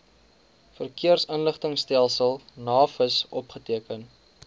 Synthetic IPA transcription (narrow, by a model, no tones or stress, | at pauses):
fərkiərsənləχtəŋstælˠsəlˠnɑːfəsʔɔpχətiəkən